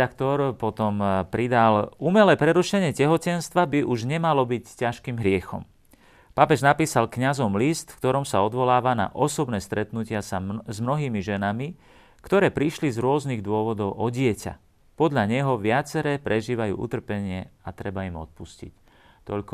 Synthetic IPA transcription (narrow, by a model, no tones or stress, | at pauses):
akt̪ɔɾpɔt̪ɔmpɾid̪alumɛlɛːpɾɛɾuʃɛɲɪɛcɛɦɔcɛnst̪ʋabiʔuʒɲɛmalɔbiccaʃkiːmɦɾɪɛxɔ̰m | papɛʒnapiːsalkɲazɔmlist̪fkt̪ɔɾɔmsaɔd̪ʋɔlaːʋana̰ʔɔsɔbnɛːst̪ɾɛt̪nucɪasazmnɔɦiːmiʒɛnami | kt̪ɔɾɛːpɾiʃlizɾʊɔzniːɣd̪ʊɔʋɔd̪ɔʊʔɔɟɪɛca̰ | pɔd̪ʎaɲɛɦɔʋɪat͡sɛɾɛːpɾɛʒiːʋajṵːʔṵt̪r̩pɛɲɪɛat̪ɾɛbaimɔ̰t̪̚puscḭc | t̪ɔʎk